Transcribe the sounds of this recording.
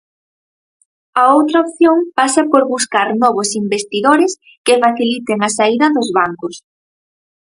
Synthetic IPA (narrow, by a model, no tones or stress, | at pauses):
ɐowt̪ɾɐop̚θjoŋpasɐpoɾβuskaɾnɔβʊsimbest̪iðoɾɪs | kɪfaθilit̪eŋɐsaiðɐðʊzβaŋkʊs